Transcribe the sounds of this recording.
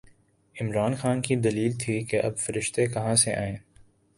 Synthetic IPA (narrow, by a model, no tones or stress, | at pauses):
ɪmɾaːnxaːnkid̪ɐliːlt̪ʰikeʔɐ̰bfɐɾɪʃt̪ekɐɦãseʔa̰ːẽː